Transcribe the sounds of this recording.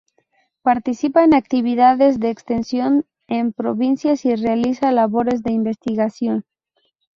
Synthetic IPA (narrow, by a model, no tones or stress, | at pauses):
paɾt̪isipaenak̚t̪iβiðaðe̞zðeːkst̪ensjo̞n | empɾoβinsjasirealisalaβo̞ɾe̞zðe̞imbe̞st̪iɣasjo̞n